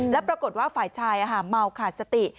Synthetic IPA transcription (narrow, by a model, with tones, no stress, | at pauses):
nlɛ˦˥pɾa˧ko˨˩t̪̚waː˥˩faː˨˩jt͡ɕʰaː˧jʔaː˧ɦaː˩˦nma˧wkʰaː˨˩t̪̚sa˧t̪i˨˩